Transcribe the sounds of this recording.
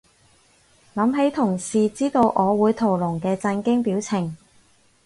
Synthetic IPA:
lɐ˨˥mɦe˨˥jt̪ʰʊ˨˩ŋsiː˨t͡siː˥t̪o˧wʔɔː˨˧wuː˨˧jt̪ʰo˨˩wlʊ˨˩ŋkɛː˧t͡sɐ˧nkɪ˥ŋpiː˨˥wt͡sʰɪ˨˩ŋ

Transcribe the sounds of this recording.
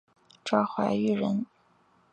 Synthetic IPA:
ʈ͡ʂɑ˥ʊxwa̰˧˥ɪy˥˩ɻə˧˥n

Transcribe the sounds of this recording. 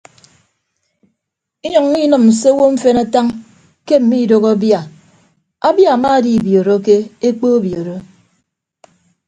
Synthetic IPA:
i˦ɲɔ˨ŋ˦ni˦nɔ˨mn̩˨se˦wo˦ɱ̩˦fe˦na˦ta˦ŋ | ke˦m̩˨mi˦˨do˨ɣa˦bja˨ | a˦bja˦˨a˨ma˦di˨bjo˨ɾo˦ke˦e˦k͡po˦bjo˨ɾo˦

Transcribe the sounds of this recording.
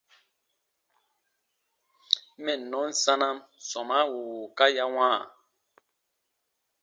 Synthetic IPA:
mɛ˦˨nɔ˨˦n̩˦sa˦na˦msɔ˨ma˦wu˨ka˦ja˦wãː˦˨

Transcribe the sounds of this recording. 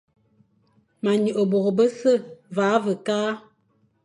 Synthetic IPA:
ma˨ɲə˨ʔə˨bo˨ɣə˨bə˦sə˦˨vaː˨˦və˨kaː˦

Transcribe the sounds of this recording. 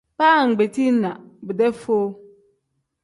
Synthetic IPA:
paː˦˨ŋ̩˨ɡ͡be˨tʰi˦n˦nã˨bɪ˨dɛ˦fo˦

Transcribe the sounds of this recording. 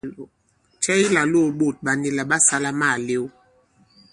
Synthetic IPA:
t͡ʃɛ˦i˦la˨lo˦˨ɓo˨t̚ɓa˨ni˦la˨ɓa˦sa˦la˦ma˦˨le˦w

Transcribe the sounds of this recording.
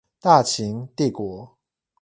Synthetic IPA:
t̪a˥˨t͡ɕʰi˨˧˦ŋt̪i˥˩kwɔ˨˦

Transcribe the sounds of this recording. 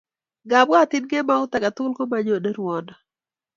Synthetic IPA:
ɡa˨bwa˦t̪ɪ˦nɡe˦ma˦ʊ˦t̪a˨ɡa˨t̪ʊ˦lko˦maɲo˨de˦ɾwɔ˨ndɔ˨

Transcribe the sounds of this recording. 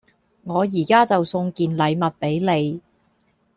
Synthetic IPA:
ŋɔː˨˧jiː˨˩kaː˥t͡sɐ˨wsʊ˧ŋkiː˨nlɐ˨˧jmɐ˨t̚pe˨˥jle˨˧j

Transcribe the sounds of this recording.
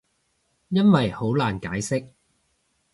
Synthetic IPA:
jɐ˥nwɐ˨jho˨˥wlaː˨˩nkaː˨˥jsɪ˥k̚

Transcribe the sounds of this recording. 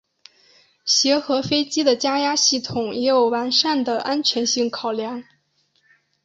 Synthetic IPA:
ɕjɛ˧˥xɤ˧˥fe˥ɪt͡ɕi˥d̪ə˨t͡ɕja˥ja˥ɕi˥˩t̪ʰʊ˨˩ŋjɛ˧˥jo˨˩ʊwa˧˥nʂa˥˩nd̪ə˩ʔa˥nt͡ɕʰɥɛ˧˥nɕi˥˩ŋkʰɑ˨˩ʊljɑ˧˥ŋ

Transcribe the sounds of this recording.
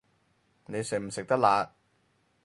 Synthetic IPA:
ne˨˧jsɪ˨˩k̚m̩˨˩sɪ˨k̚t̪ɐ˥k̚laː˨˧

